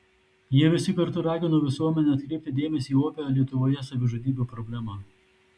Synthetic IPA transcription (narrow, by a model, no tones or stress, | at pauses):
jiɛʋʲɪsʲɪkɐɾt̪ʊɾɑːɡʲɪnoːʋʲɪsuɔmʲɛnʲɛɐt̪̚ʲkɾʲɛɪp̚ʲt̪ʲɪd̪ʲeːmʲɛsʲiːoːpʲɛɾoːlʲiɛt̪ʊʋoːjɛsɐʋʲɪʒoːd̪ʲiːbʲupɾɔbʲlʲæmɑː